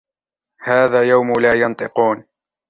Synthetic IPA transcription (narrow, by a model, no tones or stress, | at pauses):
haːðaːjawmʊlaːjɑnt̪ˤɨquːn